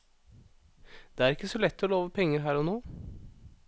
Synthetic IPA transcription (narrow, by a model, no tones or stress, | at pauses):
d̪̥eːæɾɪkːəsɔlɛt̪ːɔːloːʋəpʰɛŋːəɾɦæːɾɔnoː